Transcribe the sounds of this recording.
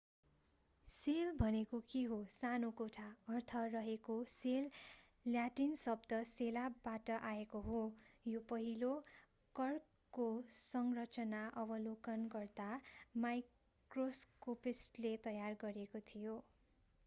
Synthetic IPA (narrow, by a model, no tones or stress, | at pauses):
selbʱʌnekokiɦosanokoʈʰaʌrt̪ʰʌrʌɦekoselː | jaʈinsʌbd̪ʌselabaʈʌʔaekoɦojopʌɦilo | kʌrkː | osʌŋrʌt͡sʌnaʔʌbʌlokʌnɡʌrd̪amaj | kroskopisʈlet̪ʌjarɡʌɾekot̪ʰijo